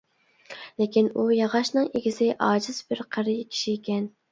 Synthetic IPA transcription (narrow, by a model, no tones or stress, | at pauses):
lɪkʲinujɑʁɑʃnɨŋeɡʲisɪʔɑːd͡ʒɪz̥bɪɾqʰəɾjkʲʰi̥ʃiekʲɛn